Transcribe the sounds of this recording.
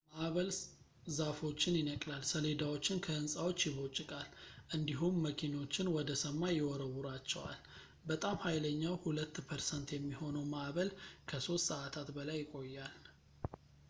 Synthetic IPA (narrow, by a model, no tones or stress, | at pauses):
maʔβəl | zafo̞t͡ʃːɪnjɪnəkʼlalsəle̞d̪awo̞t͡ʃːɪnkʰəɨnsʼawo̞t͡ʃːjɪβo̞t͡ʃʼːɪkʼalʔɨnd̪iɦumːəkʰino̞t͡ʃːɪnwɔd̪əsəmːajɪwɔɾəwuɾat͡ʃːɛwa̰l | bət̪ʼamhajləɲːawhulət̪ːpʰəɾsənt̪jɛmːiho̞nəwmaʔβəlkʰəso̞st̪səʔat̪ʰat̪bəlajːɪkʼo̞jːal